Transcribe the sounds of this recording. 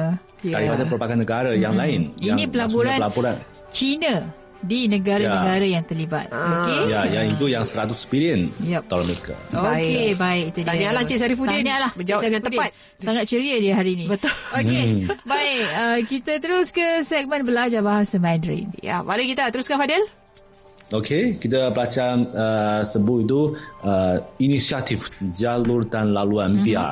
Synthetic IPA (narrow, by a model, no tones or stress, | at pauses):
aɾipadapəɾupakanːəɡaɾajaŋlaɪninĩpəlapuɾanəlapuɾan | t͡ʃinə | dinəɡaɾanəɡaɾajaŋt̪ərliba̰t̪̚okejajait̪ujaŋsəɾat̪uspiliənjɛt̪alaməka̰okebaɪkit̪udiɲalat͡ʃisaɾifuiaɲalahməd͡ʒawaakãnt̪ədpat̪ | saŋat̪̚t͡ʃəɾiədiəɦaɾiːnĩbət̪ʊlokebaɪkəkit̪at̪əɾʊskəsɛk̚mə̃nbəlad͡ʒabaɦasəmãnɾḭnja̰balekit̪at̪əɾuskanfadɪl | okʰekit̪əbəlat͡ʃaəsəbʊtit̪uəinisiat̪ifd͡ʒalurdanlaluanpia̰